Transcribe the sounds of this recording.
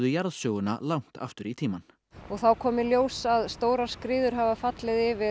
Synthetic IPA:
ðʏjaɾðsœːɣʏna̰lawŋ̥t̪a̰ft̪ʏɾit̪ʰiːman | ɔɣθawkʰɔːmɪljoːwsaðst̪oːwɾaɾ̥skɾɪːðʏɾ̥ɦavafat̪lɪðɪvɪ

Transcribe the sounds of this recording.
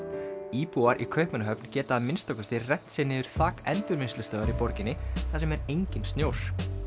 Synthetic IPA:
iːpuaɾʔḭkʰœɥhpmɛnaɦœpncɛːt̪aːðmɪnst̪ɔkʏst̪ɪrɛt̪n̥sɪnːɪðʏɾ̥θaːkɛnt̪ʏɾmɪnst̪lʏst̪œːðaɾipɔɾcɪnːɪθasɛmɛɾejɲcɪnst̪njoːwɾ̥

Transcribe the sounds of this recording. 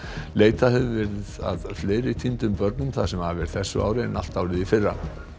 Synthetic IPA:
leːjt̪aɦɛvʏvɛɾɪða̰ðfleːɾɪt̪ʰint̪ʏmpœɾt̪̚nʏmθasɛmhavɛɾθɛsːʏ̰ʔa̰ːwɾɪɛnal̥t̪aːwɾɪðifɪrːa̰

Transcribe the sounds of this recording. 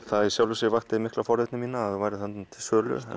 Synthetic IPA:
θaðsjawlʏsɪvaht̪ɪmɪhklafɔɾðɪt̪nɪmiːnaaðɪvajɾɪθɛnmt̪ʰɪlsœːlʏ̰

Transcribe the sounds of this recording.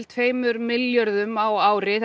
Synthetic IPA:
lt̪ʰfeːjmʏɾmɪljœɾðʏmawaːwɾɪθ

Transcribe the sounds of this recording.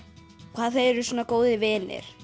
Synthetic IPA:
kʰvaːðθeɛɾʏsuːnakoːwðɪvɪːnɪ̰ɾ̥

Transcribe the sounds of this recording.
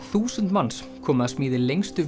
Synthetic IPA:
θuːsʏnt̪mans | kʰɔːmaaðsmiːðɪlejŋst̪ʏ

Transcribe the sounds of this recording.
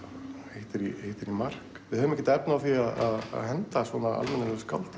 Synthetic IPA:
hejht̪ɪɾiheht̪ɪɾimar̥k | vɪðœvʏmɛcɪt̪ɛpnaaθiaðaða̰ðhɛnt̪asvɔnaa̰lmɛnaɾlɛskʰawlt̪

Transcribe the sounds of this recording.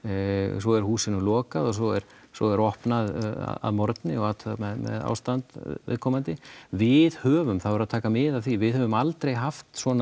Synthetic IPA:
sɔɛɾ̥huːsɪnʏlɔːkaðɔs̬ɔɛɾ̥ | sɔɛɾɔhpnaða̰a̰ðmɔɾt̪nɪɔɣat̪ʰmɛðmɛ̰ða̰ːwst̪ant̪vɪ̰ðkʰɔmant̪ɪvɪðhœːvʏmθafɾaðt̪ʰaːkamɪðaðθivɪðhœvʏmalt̪ɾejɦaft̪swɔːna

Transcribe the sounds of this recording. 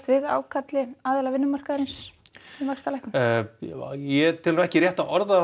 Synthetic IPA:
t̪vɪða̰ːwkʰat̪lɪaːðɛlavɪnːʏmar̥kaɾɪnsimaxst̪alaɛhkʏm | jɛt̪ʰɪlɾɛhcɪrjɛht̪aɔɾða

